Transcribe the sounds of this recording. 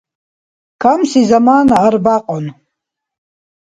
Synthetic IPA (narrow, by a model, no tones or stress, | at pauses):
kʰamsizamaːnaarbaqʼon